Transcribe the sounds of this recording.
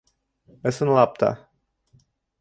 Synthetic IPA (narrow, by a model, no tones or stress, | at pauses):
əsɨnlap̚t̪a̰